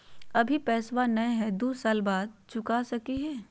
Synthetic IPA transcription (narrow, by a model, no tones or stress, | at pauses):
ɐbʱipɛːswanɐ̃ɦɛd̪uːsaːlbaːd̪̚t͡ʃʰʊkasɐkiɦɛː